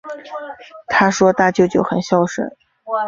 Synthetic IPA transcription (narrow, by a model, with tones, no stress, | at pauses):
t̪ʰa˥ʂwɔ˥t̪a˥˧t͡ɕjo˥˧ʊt͡ɕjo˥˩ʊxə˨˩nɕjɑ˥˩ʊʂə̰˥˩˦